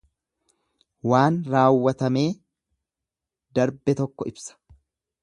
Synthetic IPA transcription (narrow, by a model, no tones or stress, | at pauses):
waːnɾaːwːɐt̪ɐme̞ː | d̪ɐɾbɛt̪ɔkːɔɪbsɐ̥